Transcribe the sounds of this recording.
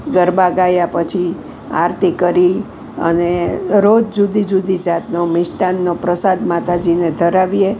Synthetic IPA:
ɡəɾbaɡajapət͡ʃʰi | a̰ɾt̪ikəɾi | ə̰neɾod͡ʒd͡ʒud̪id͡ʒud̪id͡ʒat̪nomɪʃʈanːopɾəsad̪mat̪ʰad͡ʒined̪ʱəɾaʋie

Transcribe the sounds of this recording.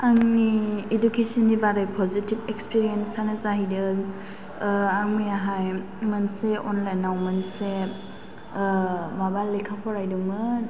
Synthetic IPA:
aŋniːdukesɔnːibaɾɯjpʰɔzitibekspiɾiensanɯzaɦidɯ | aŋmijaɦaj | manseɔnlajnawmanse | mabalːekʰapʰɔɾajduŋmɯ

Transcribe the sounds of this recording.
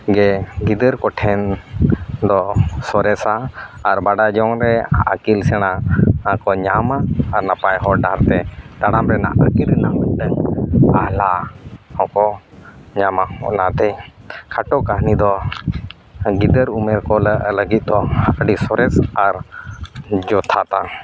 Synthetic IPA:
ɡɛɡid̪əɾkɔʈʰɛn | d̪ɔsɔɾɛsaːɾbaɖad͡ʒɔŋɾɛaʔa̰kilsɛɽ̃aakɔɲamaːɾnapajɦɔɖaɾt̪ɛd̪aɽamɾɛna̰ʔəkiɾnamənɖəŋahlahɔ̃kɔɲamahɔ̰ʔnat̪ɛkʰaʈɔkaɦnid̪ɔ | ɡid̪əɾumɛɾkɔləʔləɡit̪̚ˀd̪ɔhaʔəɖisɔɾɛsaɾ | d͡ʒɔt̪ʰat̪a

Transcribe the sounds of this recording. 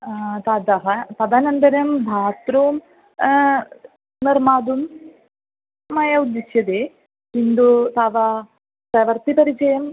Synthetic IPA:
t̪ad̪ɐɦɐt̪ɐd̪ʱanɐnd̪ɐɾɐmbʱaːt̪ɾoːum | nirmaːd̪um | ɐjɐud̪ːisjɐd̪eː | pind̪ut̪aːʋɐ | pɾɐʋɐrt̪ipɐɾit͡ɕɐjɐm

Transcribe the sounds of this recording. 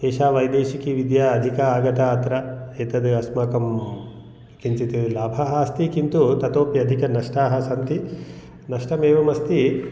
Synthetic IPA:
eːʃaːʋɐjd̪eːʃikiʋid̪jaːɐd̪ʱikɐaːɡɐt̪aːt̪ɾɐeːt̪ɐd̪ɨɐsmɐːkɐm | kint͡sit̪ilaːbʱɐɦast̪ikint̪ut̪ɐt̪oːpjɐd̪ʱikɐnɐʂʈaːɦɐsɐnt̪i | nɐʂʈɐmeːʋɐmɐst̪i

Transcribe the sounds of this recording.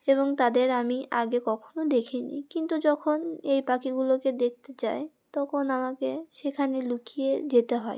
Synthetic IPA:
eβoŋt̪ad̪eɾamiʔaɡekɔkʰonod̪ekʰinḭkint̪ud͡ʑɔkʰonejpakiɡuloked̪ek̚t̪et͡ɕae | t̪ɔkʰonamakeʃekʰanelukied͡ʑet̪eɦɔe

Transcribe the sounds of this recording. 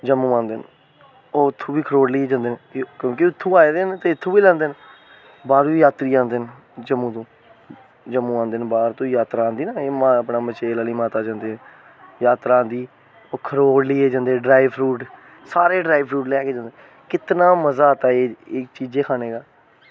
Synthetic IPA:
d͡ʒəmːũːʋãːnd̪eːn | oːɪt̪ʰːũːbiːkʰəɾoːɽliːeːd͡ʒãːnd̪eːnkjõːkiʊt̪ʰːũːaːed̪ent̪eːɪt̪ʰːũːʋiːlɛ̃ːnd̪eːn | baːɾiːjaːt̪ɾiːãːnd̪eːn | d͡ʒəmːũːt̪õː | d͡ʒəmːũːãːnd̪eːnbaːɾt̪õːjaːt̪ɾaːnd̪iːnaːeːmaəpnaːbət͡ʃeːlaːliːmaːt̪aːd͡ʒãːnd̪eː | jaːt̪ɾaːaːnd̪iː | oːkʰəɾoːɽliːeːd͡ʒãːnd̪eːɖɾaːɪʋɾuːʈ | saːɾeːɖɾaːibʰɾuːʈlɛːkeːd͡ʒãːnd̪e | kɪt̪naːməzaːt̪aːeːɪkt͡ʃiːd͡ʒeːkʰaːneːɡaː

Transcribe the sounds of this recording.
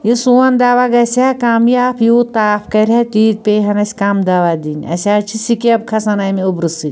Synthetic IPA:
isuɐnd̪aːʋaɡɐsʲaːkamjaːpʰjuːt̪aːfkɐɾʲat̪iːt̪̚peɦɐnɐsʲkaːmd̪aʋad̪inʲɐ̰sʲaːt͡ʃʰisikeb̚kʰɐsɐnajmeubɾɨsɨ

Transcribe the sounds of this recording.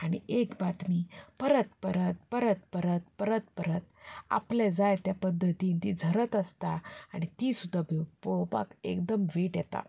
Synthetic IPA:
aɽ̃iʔekbat̪miːpəɾət̪pəɾət̪̚pəɾət̪̚pəɾət̪̚pəɾət̪pəɾət̪a̰pled͡zajt̪japəd̪ʱːət̪iːnt̪id͡zʱəɾət̪əst̪aaɽ̃it̪iːsud̪ʱːabepowpa̰kekd̪əmʋeʈjɛt̪a̰

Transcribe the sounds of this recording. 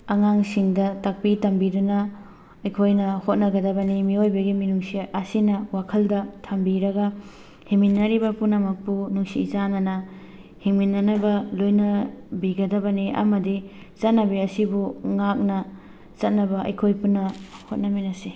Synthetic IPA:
ɐŋaŋsiŋdɐtɐk̚pitɐmbidunɐ | ɐjkʰojnɐhot̚nɐɡɐdɐbɐnimiojbɐɡiminuŋsiʔɐsinɐwakʰɐldɐtʰɐmbiɾɐɡɐ | hiŋminːɐɾibɐpunɐmɐk̚punuŋsiːzanɐnɐ | hiŋminːɐnɐbɐlojnɐbiɡɐdɐbɐniʔɐ̰mɐdi | zɐt̚nɐbiɐsibuŋak̚nɐ | t͡ʃɐt̚nɐbɐʔɐ̰jkʰojpunːɐhot̚nɐminɐsi

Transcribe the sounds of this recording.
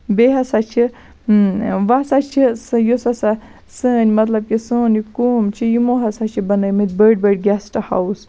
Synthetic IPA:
beːɦɐsat͡ʃʰi | ʋasat͡ʃʰisɨjosasa | sɨːnʲmɐt̪lɐb̚kisoːnikuːmt͡ʃʰijimoɦɐsat͡ʃʰibɐnɐjmɨt̪̚ʲbəɖ̚bəɖ̚ɡʲɛsʈɨha̰ws

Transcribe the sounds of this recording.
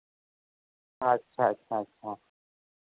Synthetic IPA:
aɐtːɕʰaɐtːɕʰaɐtːɕʰa

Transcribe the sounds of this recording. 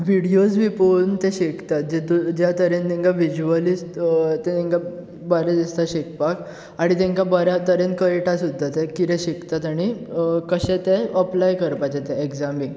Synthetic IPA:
ʋiɽijosʋipont̪ɛɕekt̪at̪̚d͡ʑed̪ud͡ʑjat̪əɾent̪ĩŋkaʋid͡ʑuəlistt̪ɛ̃t̪ɛ̃ŋka | bəɾad̪ist̪aɕek̚pak | aɽ̃it̪ɛ̃ŋkabəɾjat̪əɾenkəjʈasud̪ʱːat̪ekiɾɛɕikt̪at̪aɽ̃ikəɕɛ̃t̪eəplajkəɾpat͡ɕɛt̪ɛekd͡zamiŋɡ

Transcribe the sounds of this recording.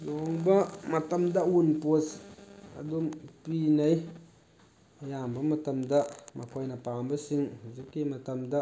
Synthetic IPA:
zoŋbəmatamdawunposa̰dompinai | jabəmatəmdamʔa̰kajnapabəsiŋzikimatamda

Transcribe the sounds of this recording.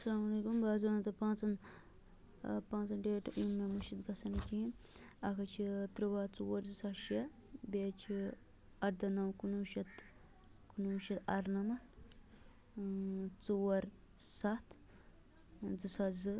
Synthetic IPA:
ɐsɐlaːmɐleːkumbaːzaːnɐt̪ɐpãːt͡sɐn | pãːt͡sɐnɖeːʈumːemɐʃid̪ɡɐsɐnkiɐkʰɐt͡ʃʰit̪ɾɨʋaːt͡suwɐɾzɨsaʃe | bet͡ʃʰi | ɐʈ̚d̪ɐnɐwkunuːʃɐt̪ | kunuːʃɐt̪ɐɾnɐmɐt̪ | t͡suwɐɾ | sat̪ʰ | d͡zɨsazɨ

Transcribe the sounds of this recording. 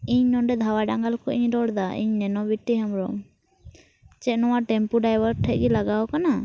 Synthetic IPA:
iɲnɔnɖɛd̪ʱawaɖaŋɡalkɔʔiɲɾɔɽd̪aḭɲnɛnɔbiʈːiɦamɾɔ | t͡ʃɛʔ̚nɔwaʈɛmpuɖajbəɾʈʰɛc̚ˀɡilaɡawɔkana

